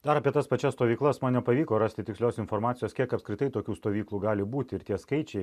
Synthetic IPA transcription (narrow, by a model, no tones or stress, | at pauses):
d̪ɐɾɐpʲiɛt̪ɐspɐt͡ʃʲɛst̪oːʋʲiːklˠɐsmɐnnʲɛpɐʋʲiːkoːɾɑːst̪ʲɪt̪ʲɪksʲlʲoːsɪnfoɾmɑːt̪sʲɪjoːskʲiɛkɐpskɾʲɪt̪ɐɪt̪oːkʲuːst̪oːʋʲiːklˠuːɡɑːlʲɪbuːt̪ʲɪɪɾt̪ʲiɛskɐɪt͡ʃʲɛɪ